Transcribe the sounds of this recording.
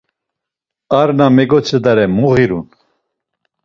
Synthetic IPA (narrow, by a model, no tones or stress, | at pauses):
aɾnamɛɡɔt͡sʰəd̪aɾɛmɔɣiɾṵn